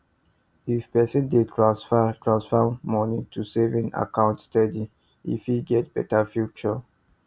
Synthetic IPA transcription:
ifpɛsə̃ndedɹastʰɹãnsfɔmːɔnĩtʰusɛvĩna̰kãʊ̃ntstɛdi | ḭfiɡɛt̚b̥ɛ̰tafjut͡ʃɔ

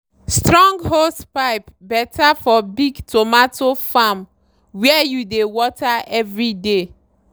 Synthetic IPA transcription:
stɹɔ̃ŋɡɦospaɪpbɛtʰafɔbiɡtʰomatʰofam | wɛɛjudewɔtaɛvɹide

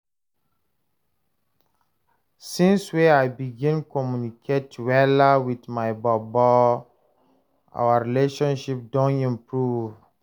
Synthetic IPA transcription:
sĩnsweajbiɡĩnkɔmjunikʰetwɛləwiθmaɪbɔbɔ | ʔa̰wəɹileʃɔ̃nʃip̚dɔ̃nĩmpɹuv

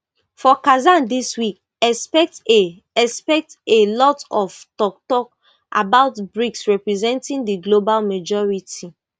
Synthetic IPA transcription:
fɔkazãndiswik | ɛspɛk̚t | ɛspɛk̚telɔtɔftɔk̚tɔk̚ | ʔa̰baʊtbɹiksɹɛpɹizɛ̃ntĩndiɡlobalmad͡ʒɔɹiti

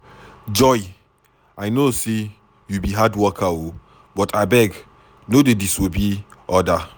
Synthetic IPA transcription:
d͡ʒɔj | ajnose | jubiɦadwɔkʰao | bɔtʰabɛɡ | nodedisobiɔda

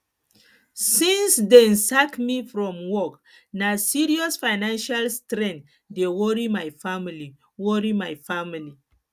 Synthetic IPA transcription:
sĩnsdɛ̃nsakmifɹɔ̃mwɔk | nasiɹiɔsfaɪnãnʃalstɾɛ̃nt | dewɔɹimajfamili | wɔɹimajfamili

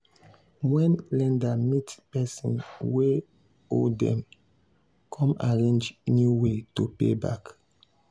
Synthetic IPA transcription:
wɛ̃nlɛ̃ndamitpɛsɔ̰̃nwe | o̰ldɛ̰̃m | kʰɔ̃maɹẽnd͡ʒnjuwetopḛba̰k

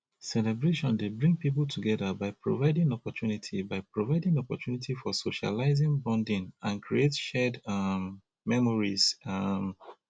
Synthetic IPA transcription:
sɛlɛbɹeʃɔ̃ndebɹĩŋɡ̚pip̬ltʰuɡɛðəbaɪpɹo̰vaɪdĩŋɔpɔtʰjunitʰibaɪpɹovaɪdĩŋɔpɔtʰjunitʰifɔsoʃa̰laɪzĩŋbɹɔ̃ndĩnãnkʰɹietʃɛdm | mɛmɔɹizʌm

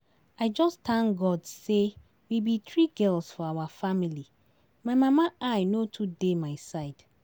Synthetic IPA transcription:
aɪd͡ʒɔstʰãnɡɔdse | wibit̪ɹiɡɛlsfɔawafamili | maɪmãmaʔaɪnotʰudemaɪsaɪd̥

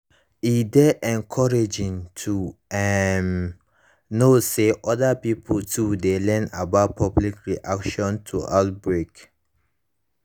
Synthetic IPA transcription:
idɛʔɛ̃nkʰɔɹed͡ʒĩŋtʰuɛm | noseʔɔdapipʰltʰudelɛ̃nabaʊt̚pʰɔblikɹiʔakʃɔ̃ntʰuʔaʊt̚bɹek

